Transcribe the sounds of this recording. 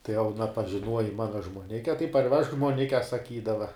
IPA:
tɐɪ jɛʊ ɐˈnɐ pɐʒʲɪˈnuɔjɪ ˈmɑːnɐ ʒmuɔˈnʲɪkʲɛ tɐɪ pɐrʲˈʋʲɛʃk ʒmuɔˈnʲɪkʲɛ sɐˈkʲiːdɐʋɐ

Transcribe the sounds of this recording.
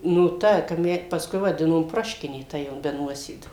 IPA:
nʊ ˈtɐ kɐp ˈmʲɛ pɐsˈkʊɪ ʋɐˈdʲɪnoːm ˈproːʃʲkʲɪnʲeː ˈtɐ jɛʊ bʲɛ ˈnuɔsʲeːduː

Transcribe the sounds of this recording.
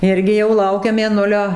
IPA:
ˈɪrʲɡʲɪ jɛʊ ˈlˠɐʊkʲɛ mʲeːˈnʊlʲoː

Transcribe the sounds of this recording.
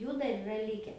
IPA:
ˈjuː dɐr ɪˈrɐ ˈlʲɪkʲɛ

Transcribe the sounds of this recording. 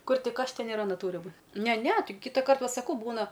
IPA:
ˈkʊr ˈtʲɪk ˈɐʃ ˈtʲɛn ɪr ɐˈnɐ ˈtuːrʲɪ ˈbuː ˈnʲɛ ˈnʲɛ ˈtɐɪ ˈkʲiːtɐ ˈkɐrt ʋɐ sɐˈkɐʊ ˈbuːnɐ

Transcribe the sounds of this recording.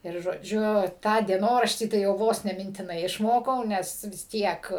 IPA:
ɪr ʒoːˈd͡ʒʲʊ ˈtɑː dʲiɛˈnoːrɐʃʲtʲiː tɐɪ jɛʊ ˈʋoːs nʲɛ mʲɪnʲtʲɪˈnɐɪ ɪʃˈmoːkɐʊ ˈnʲɛs ʋʲɪs ˈtʲiɛk

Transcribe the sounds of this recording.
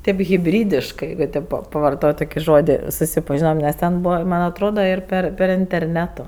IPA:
tʲeːp ɣʲɪˈbʲrʲiːdʲɪʃkɜ ˈjɛɪɡʊ tʲeːp pɐ pɐʋɐrˈtoːtʲ ˈtoːkʲɪ ˈʒoːdʲɪ sʊsʲɪpɐˈʒʲɪnoːm nʲɛs ˈtʲɛn ˈbuːʋɐ ˈmɐnʲ ɐtˈroːdoː ɪr ˈpʲɛr pʲɛr ɪnʲtʲɛrʲˈnʲæːtʊ

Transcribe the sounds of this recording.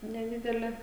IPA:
nʲɛˈdʲɪdʲɛlʲɛ

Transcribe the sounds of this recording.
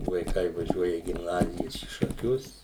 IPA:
ʋɐɪˈkɐɪ ʋɐˈʒʲuɔjɛ iː ɡʲɪmˈnɑːzʲɪjɛs iː ʃɐˈkʲʊs

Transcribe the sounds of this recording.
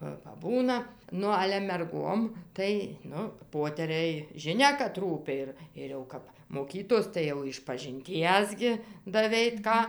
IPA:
ˈʋɐ pɐˈbuːnɐ ˈnʊ ɐlʲɛ mʲɛrˈɡoːm ˈtɐɪ ˈnʊ ˈpoːtʲɛrʲɛɪ ʒʲɪˈnʲɛ kɐt ˈruːpʲɪ ɪr ɪr jɛʊ ˈkɐp moːˈkʲiːtoːs tɐɪ jɛʊ ɪʃpɐʒʲɪnʲˈtʲiɛs ɡʲɪ dɐˈʋʲɛɪt ˈkɑː

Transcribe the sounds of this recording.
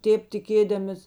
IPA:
ˈtʲeːp tʲɪˈkʲeːdɐmʲɪs

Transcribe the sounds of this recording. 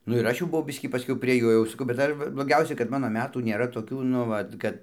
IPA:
ˈnʊ ɪr ˈɐʃ jɛʊ bʊˈʋɐʊ ˈbʲɪsʲkʲiː pɐˈsʲkʲɛʊ pʲrʲiɛ ˈjoː jɛʊ sɐˈkɐʊ bʲɛt ˈdɐr ʋɐ blˠoːˈɡʲɛʊsʲɛ kɐt ˈmɑːnoː ˈmʲæːtuː nʲeːˈrɐ toːˈkʲuː nʊ ˈʋɐt kɐt

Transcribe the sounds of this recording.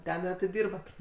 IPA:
ˈtʲɛn ɪr ɐtʲɪˈdʲɪrbɐt

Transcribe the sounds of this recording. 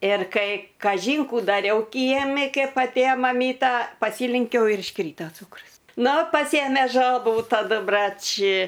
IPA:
ɪr ˈkɐɪ kɐˈʒʲiːn ˈkuː dɐˈrʲɛʊ ˈkʲiɛmʲɪ ˈkʲɛp ɐtʲˈeːjoː mɐˈmʲiːtɐ pɐˈsʲiːlʲɛŋʲkʲɛʊ ɪr ɪʃˈkrʲiːtɐ ˈt͡suːkrʊs nʊ pɐˈsʲeːmʲeː ˈʒɑːbuː tɐˈdʊ ˈbrɐt͡ʃ

